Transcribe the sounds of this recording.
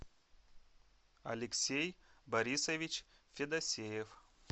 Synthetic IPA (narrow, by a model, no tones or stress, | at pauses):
ɐ̰lʲɪksʲejbɐɾʲisɐvʲit͡ɕfʲɪd̪ɐsʲejef